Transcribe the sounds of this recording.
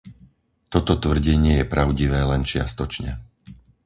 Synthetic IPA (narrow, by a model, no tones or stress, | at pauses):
t̪ɔt̪ɔt̪ʋr̩ɟɛɲɪɛjɛpɾaʊɟiʋɛːlɛnt͡ʃɪa̰st̪ɔt͡ʃɲɛ̰